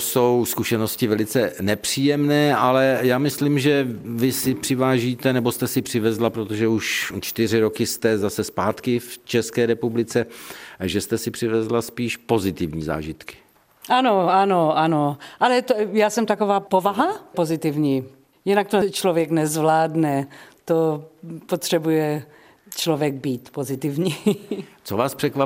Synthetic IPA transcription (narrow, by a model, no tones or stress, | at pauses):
so̞wskuʃɛno̞scɪvɛlɪt͡sɛnɛpr̝̥iːjɛmnɛːʔalɛjaːmɪsliːmʒɛvɪsɪpr̥ɪvaːʒiːt̪ɛnɛbost̪ɛsɪpr̝̥ɪvɛzlapɾot̪oʒɛuʃt͡ʃt̪ɪr̝ɪɾokɪst̪ɛzasɛspaːt̪kɪft͡ʃɛskɛːɾɛpublɪt͡sɛʒɛst̪ɛsɪpr̝̥ɪvɛzlaspiːʃpo̞zɪt̪ɪvɲiːza̰ːʒɪt̪kɪ̥ | ʔanoanoʔanoʔalɛt̪ojaːsɛmt̪akovaːpovaɦapozɪt̪ɪvɲiː | jɪnak̚t̪ot͡ʃlovjɛknɛzvlaːdnɛt̪opot̪r̥ɛbujɛ | t͡ʃlovjɛɡ̚biːt̪pozɪt̪ɪvɲiːt͡sovaːspr̥ɛkva